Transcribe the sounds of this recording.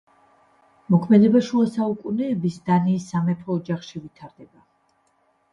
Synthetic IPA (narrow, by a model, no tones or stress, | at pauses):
mɔkʰmɛd̪ɛbaʃuasaukʼunɛːbisd̪aniːsːamɛpʰɔːd͡ʒaχʃivit̪ʰaɾd̪ɛba